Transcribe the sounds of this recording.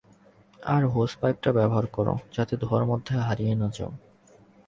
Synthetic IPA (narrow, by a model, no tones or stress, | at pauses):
a̰ɾɦospajp̚ʈabɛboɦaɾkɔɾo̰d͡ʑat̪ed̪ʱoaɾmɔd̪ʱːeɦaɾijenɔd͡ʑo̰